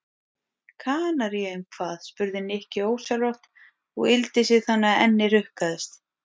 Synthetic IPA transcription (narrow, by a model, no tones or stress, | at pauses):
kʰaːnaɾjɛʏmkʰv̥aːð̥spʏɾðɪnɪhcɪoːwsalɔht̪ | ɔ̰ɣɪlt̪ɪsɪɣθanːaɛnːɪɾʏhkaðɪst̪